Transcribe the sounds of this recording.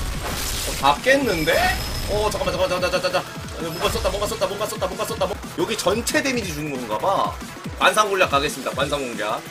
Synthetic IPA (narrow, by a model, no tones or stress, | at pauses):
ʌtak̚k͈e̞nːɯnde̞ʌt͡ɕak͈amad͡ʑamad͡ʑad͡ʑad͡ʑad͡ʑad͡ʑa | mobas͈ʌt͈̚amwʌŋɡas͈ʌt͈amwʌŋɡas͈ʌt͈amwʌŋɡas͈ʌt͈amʌ | jʌɡit͡ɕʌnt͡ɕʰe̞de̞mid͡ʑid͡ʑuŋmonɡaba | kwans̬ʰaŋɡoɭʎːak͈ʰːaɡes͈ɯmɲidakwansʰaŋɡoŋɡea̰